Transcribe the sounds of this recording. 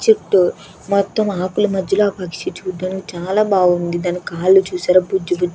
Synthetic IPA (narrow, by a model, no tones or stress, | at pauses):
t͡ʃiʈːu | mɔt̪ːomaːkulumɐd̪ʱjɐloaːpɐkʂit͡ʃuːd̪aːnikit͡ʃaːlaːbaːɡund̪id̪aːnikkaːlːut͡ʃuːsaːɾɐbud͡ʒːubu